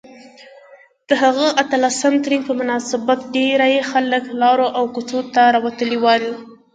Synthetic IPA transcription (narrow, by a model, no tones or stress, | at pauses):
d̪̥əɦaɣəʔat̪alasəmt̪ɾiŋ̚pəmʊnɑsɪbat̪̚ɖeɾajexaləklɑɾoʔawkʊt͡sot̪aɾɑwat̪əliwɑli